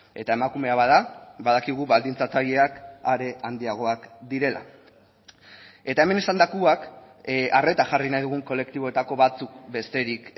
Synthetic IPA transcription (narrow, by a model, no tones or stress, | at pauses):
e̞t̪ae̞makume̞aβað̞aβað̞akiɣ̞uβald̪int͡sat͡saʎe̞akaɾe̞ʔand̪iaɣ̞o̞akd̪iɾe̞la̰ | e̞t̪ae̞me̞nesand̪akuak | ʔare̞t̪aʝarinajðuɣ̞uŋko̞le̞kt̪iβo̞et̪ako̞βat͡suk̚be̞st̪e̞ɾik